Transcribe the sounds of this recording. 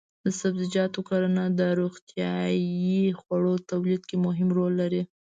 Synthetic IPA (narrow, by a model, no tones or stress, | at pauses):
d̪əsabzɪd͡ʒɑt̪okaɾanad̪əɾoɣt̪jɑjixwaɽot̪awlid̪̚kemʊɦɪmɾolːaɾi